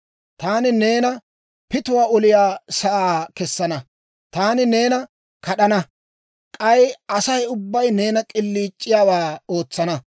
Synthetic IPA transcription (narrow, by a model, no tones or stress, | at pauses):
t̪aːnɪne̞ːnɐ | pɪt̪ʊwaːɔlɪjaːsɐʔaːkɛsːɐnɐ | t̪aːnɪne̞ːnɐ | kɐɗɐnɐ | kʼɐjʔɐsɐjʊbːɐjne̞ːnɐkʼɪlːiːt͡ʃʼːɪjaːwaːoːt͡sːɐnɐ